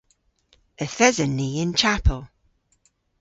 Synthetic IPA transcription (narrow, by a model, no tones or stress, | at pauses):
əθɛzənːiːɪ̃nt͡ʃʰapʰəlˠ